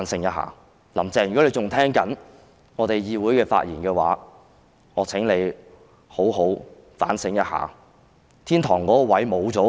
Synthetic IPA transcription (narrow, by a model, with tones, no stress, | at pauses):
nsɪ˧˥ŋjɐ˥t̚ɦa̰ː˨˩ | lɐ˨˩mt͡sɛː˨˩jkɔ˨˥le˨˧t͡ʃʊ˨ŋt̪ʰɛː˥ŋkɐ˨˥n | ŋɔː˨˧t̪e˨jjiː˧wuː˨˥jkɛː˧fa̰ː˧t̚jiː˨˩nkɛː˧wa̰ː˨˥ | ŋɔː˨˧t͡sʰɪ˨˥ŋle˨˧j | ho˨˥wɦo˨˥w | fa̰ː˨˥nsɪ˧˥ŋjɐ˥t̚ha̰ː˨˩ | t̪ʰiː˥nt̪ʰɔː˨˩ŋkɔː˨˥kɔː˧wɐ˨˥jmo˨˧wt͡sɔː˨˥